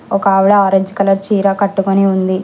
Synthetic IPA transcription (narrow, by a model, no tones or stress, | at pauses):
ɔkɐːʋiɽɐaːɾɐd͡ʒikɐlɐɾt͡ʃiːɾɐkɐʈːukoniund̪i